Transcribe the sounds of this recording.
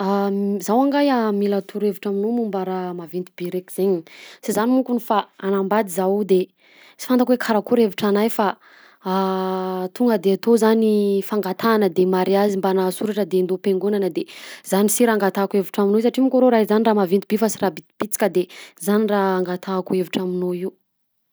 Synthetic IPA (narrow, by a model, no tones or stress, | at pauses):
azawaŋɡajamilat̪ʰuɾeviʈ͡ʂaminumumbaɾamavint̪ib̥iɾekiz̥eɲisizanimukunifaanambad̪izawd̪e | t͡si̥fand̪akwekʰaɾakuɾeviʈ͡ʂanajfa | t̪uŋɡəd̪eat̪ozanifaŋɡat̪ʰaːnəd̪emaɾiazimbanasuɾaʈ͡ʂəd̪end̪opeŋɡunanəd̪ez̥anisiɾaaŋɡat̪akueviʈ͡ʂaminosaʈ͡ʂimukʲoɾoɾaizaniraːmavint̪ibifasirabit̪b̥it͡si̥kʲəd̪ezaniraaŋɡat̪ʰakueviʈ͡ʂaminoiu